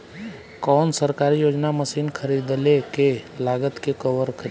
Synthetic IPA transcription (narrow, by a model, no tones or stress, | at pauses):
kɔːnsəɾkaːɾijoːd͡ʒnaməsiːnkʰəɾid̪lekelaːɡət̪kekəʋəɾkʰəɾ